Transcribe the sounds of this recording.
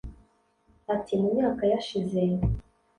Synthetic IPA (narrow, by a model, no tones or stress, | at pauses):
atimumɲaːkajaʃizeje